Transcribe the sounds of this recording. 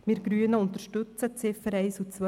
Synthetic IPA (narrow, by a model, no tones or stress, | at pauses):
mɪɾɡ̥ɾyənəʊnt̪əɾʃtɵt͡sət͡sɪfəɾɛɪsut͡sʋœ